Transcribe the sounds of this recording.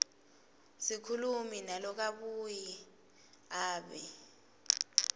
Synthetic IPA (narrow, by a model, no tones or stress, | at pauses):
sikʰuluminalɔk̬aɓuji | aːɓɛ